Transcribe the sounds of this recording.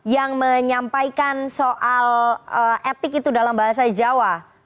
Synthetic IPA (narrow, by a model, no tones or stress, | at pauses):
jaŋməɲampaikansoʔaləɛt̪ɪkit̪udalambaɦasaid͡ʒawa